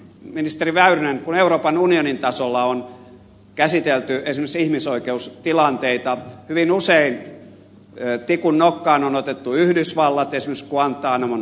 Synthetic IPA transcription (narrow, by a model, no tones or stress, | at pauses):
minist̪eriʋæyryneŋkuneuroːpɑnunionint̪ɑsolːɑon | kæsit̪elt̪yensimeksihmisoikeust̪ilɑnt̪eit̪ɑhyʋinusein | t̪ikunːokːɑːnonot̪et̪ːuyhdysʋɑlːɑt̪ensimːekskuɑnt̪ːˑɑːnɑmon